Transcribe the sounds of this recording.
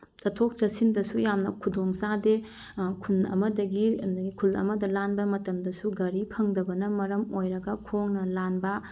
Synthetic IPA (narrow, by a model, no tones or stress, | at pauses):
tɐtʰok̚sɐsindɐsujamnɐkʰudoŋsade | kʰunɐ̰mɐdɐɡidɐɡikʰulɐ̰mɐdɐlanbɐmɐtɐmdɐsuɡɐɾipʰɐŋdɐbɐnɐmɐɾɐmojɾɐɡɐkʰoŋnɐlanbɐ